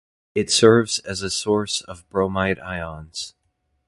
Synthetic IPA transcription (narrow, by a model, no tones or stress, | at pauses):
ɨtsɜ˞vzɨzɨsɔɹsʌvbɹoʊmaɪɾa̰ɪɑ̃nz̥